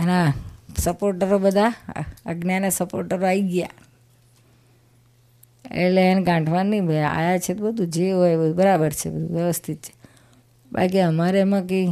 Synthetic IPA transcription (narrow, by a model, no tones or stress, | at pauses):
enasəpoɾʈəɾobəd̪ʱaəɡnjanesəpoɾʈəɾoaiɡja̰ | ḛʈleɛnɡãɳʈʰʋanːiba̰jat͡ʃʰet̪obəd̪ʱud͡ʒeɦɔjbəubəɾabəɾt͡ʃʰebəd̪ʱuʋjəʋəst̪ʰit̪̚t͡ʃʰe̥ | ba̰lk̬iəmaɾemãk̬i